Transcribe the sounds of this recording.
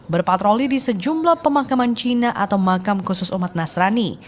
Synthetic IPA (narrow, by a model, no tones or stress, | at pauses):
bərpat̪ɾolidisəd͡ʒumblahpəmakamant͡ʃinaʔat̪awmakamkusʊsumat̪̚nasɾani